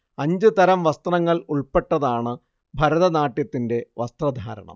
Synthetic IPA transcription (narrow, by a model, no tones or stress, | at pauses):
ɐɲd͡ʑɨt̪ɐɾɐmʋɐst̪rɐŋːɐɭuɭpe̞ʈːɐðaːɳɨ | bʱɐɾɐðɐnaːʈjɐt̪ːinde̞ʋɐst̪rɐd̪ʱa̰ːɾɐ̰ɳɐ̰m